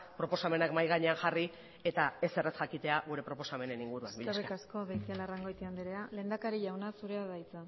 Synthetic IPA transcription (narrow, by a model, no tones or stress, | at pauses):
pɾo̞po̞same̞nakmajɣaɲe̞anʝari | e̞t̪ae̞se̞resxakit̪e̞aɣ̞uɾe̞pɾo̞po̞same̞ne̞niŋɡuɾua̰nbiʎersiekasko̞βejt̪ialaraŋɡo̞jt̪iand̪iɾe̞ale̞ːnd̪akaɾiʝawnasuɾe̞aðajt͡sa